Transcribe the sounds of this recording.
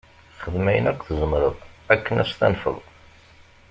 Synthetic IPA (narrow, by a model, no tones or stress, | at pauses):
χəðmæjənækʷːθəzˤəmɾəðˤækːənæst̪æ̰nfə̰ðˤ